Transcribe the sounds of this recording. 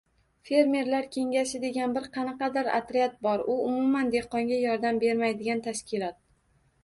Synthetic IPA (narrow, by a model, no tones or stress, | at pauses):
fe̞ɾme̞ɾlaɾkʲʰe̞ŋʲaʃɪd̪e̞ɡʲanbɪɾqʰɑnɑqɑd̪ɪɾa̰t̪ɾɪat̪̚bɒɾʊʊmʊmand̪e̞qɒŋɡʲajɒɾd̪ambe̞ɾmajd̪ɪɡʲant̪ʰaʃkʲɪlˠɒt̪̚